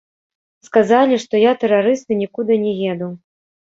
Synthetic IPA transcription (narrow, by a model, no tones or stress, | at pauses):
skazalʲiʂt̪ɔjat̪ɛɾaɾɨsnɨnʲikud̪ɨnʲɛjʲɛd̪uw